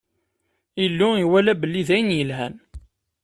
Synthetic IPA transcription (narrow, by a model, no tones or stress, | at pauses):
ilːʊiwælæbəlːiðæjənjəlɦæn